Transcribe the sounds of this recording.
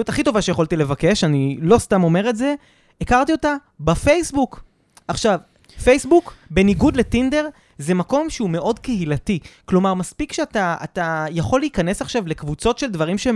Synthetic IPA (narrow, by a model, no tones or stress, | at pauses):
jutaχito̞vaʃejeχoltile̞vake̞ʃanilo̞stamo̞me̞ʁetze̞ | ekaʁtio̞ta | bafejsbuk | aχʃav | fejsbukbe̞niɡudle̞tinde̞ʁ | ze̞mako̞mʃeume̞ʔo̞dke̞ɦilatiklo̞maʁmaspikʃeata̰ːtajaχo̞lːiːkane̞saχʃavle̞kvut͡so̞tʃeldvaʁimʃe